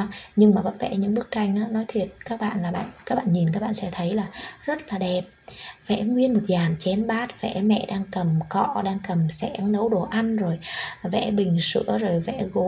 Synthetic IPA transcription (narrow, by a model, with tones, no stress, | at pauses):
ɲɨ˧ŋmaː˨˩ɓə̰˧˦jvɛ̰˧˩ɲɨ̰˧˥ŋɓɨ˦˥ək̚t͡ɕa˧jŋ̟ʔaː˨˧˥nɔ˨˦jt̪ʰwi˨˩ət̚kaː˦˥k̚ɓa̰ː˧˨nlaː˨˩ɓa̰ː˧˨nka˦˥k̚ɓa̰ː˧˨ɲi˨˩nkaː˦˥k̚ɓa̰ː˧˨nsɛ̰˧˥t̪ʰə˨˦jlaː˨˩zə˦˥t̚laː˨˩ɗɛ˨˩p̚vɛ̰˧˥ŋwi˧ənmo˨˩t̚zaː˨˩nt͡ɕɛ˨˦nɓaː˦˥t̚vɛ̰˧˥mɛ̰˧˨ɗaː˧ŋkə˨˩mkɔ̰˧˨ɗaː˧ŋkə˨˩msɛ̰˧˥ŋnə˨˦wɗo˧˩ʔa˧nzo˨˩jvɛ̰˧˥ɓï˨˩ŋ̟sɨ̰˧˥əzo˨˩jvɛ̰˧˥ɣo˨˦